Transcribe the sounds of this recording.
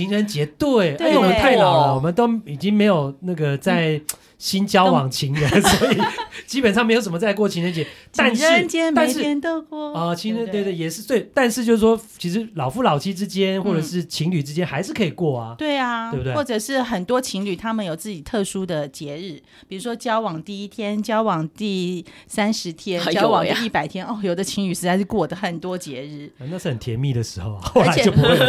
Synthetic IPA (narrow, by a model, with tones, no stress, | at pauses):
t͡ɕʰi˧˥ŋɻə˧˦nt͡ɕjɛ˧˥t̪we˥˩ɪ˥˩wɔ˨mə˦t̪ʰwe˥˧ɪlɑ˨˩˦wɔ˨˩mə˦nt̪o˥ʊi˨˩t͡ɕi˥ŋme˧˥ɪjo˨˩ʊna˥˩ɡə˩t͡sa˥˩ɪ | ɕi˥nt͡ɕjɑ˥ʊwɑ˨˩ŋt͡ɕʰi˧˥ŋɻə˨˦nsɔ˧˥i˨˩t͡ɕi˥pə˨nʂɑ˥ŋme˧˥jo˧ʊsə˨˩mə˧t͡sa˥˧ɪk̬wɔ˥˩t͡ɕʰi˧˥ŋɻə˧˦nt͡ɕjɛ˧˦t̪ʰa˥˧nʂə˧˥nt͡ɕjɛ˥nma˥˧n˥ʂɻ̩˥ɛ˥nt̪o˥˧kwɔ˥˧˩ɔ˥˩t͡ɕʰi˧˥ŋɻə˧nt̪wt̪e˥˩jɛ˨˩ʂɻ̩˥˧swe˥˩ɪt̪a˥˧nʂɻ̩˥˧jʂ̩˥˩ʂwɔ˥t͡ɕʰi˧˥ʂ̬ɻ̩˧˦lɑ˨˩ʊfu˥˩lɑ˨˩ʊt͡ɕʰi˥ʈ͡ʂɻ̩˥t͡ɕjɛ˥nxwɔ˥˩ʈ͡ʂə˨ʂɻ̩˥˩˨t͡ɕʰi˧˥ŋly˨˩ʈ͡ʂɻ̩˥t͡ɕjɛ˥nxa˧˥ɪʂɻ̩˥˩kʰɤ˧˥i˨˩kwɔ˥˩a˩t̪we˥˩ɪa˩e˧bu˧we˥wɔ˥˩ʈ͡ʂɤ˨˩ʂɻ̩˥˩xə˨˩nt̪wɔ˥t͡ɕʰi˧˥ŋly˨˩t̪ʰa˥mə˨njo˨˩ʊt͡sɹ̩˥˩t͡ɕi˨˩t̪ʰɤ˥˩ʂu˥d̪ə˨t͡ɕjɛ˧˥ɻɻ̩˥˩ | pi˨˩ɻu˧˥ʂwɔ˥t͡ɕjɑ˥ʊwɑ˨˩ŋt̪i˥˩i˥t̪ʰjɛ˥nt͡ɕjɑ˥ʊwɑ˨˩ŋt̪i˥˩ | sa˥nʂɻ̩˧˥t̪ʰjɛ˥n˨jʊwɑ˨˩ŋ˨˧i˥˩pa˨˩ɪt̪ʰjɛ˥no˥˩jo˨˩ʊd̪ə˧t͡ɕʰi˧˥ŋly˨˩ʂɻ̩˧˥t͡sa˥˧ɪʂɻ̩˥˧kwɔ˥˩d̪ə˩xə˨˩nt̪wɔ˥t͡ɕjɛ˧˥ɻ̩˥˩˧na˥˧ʂɻ̩˥˩hə˨˩nt̪ʰjɛ˧˦nmi˥˩d̪ə˩ʂɻ̩˧˥xo˥˩ʊ˨˩xo˥˧˥a˧ɛ˨o˥˩pu˧˥xwe˥˩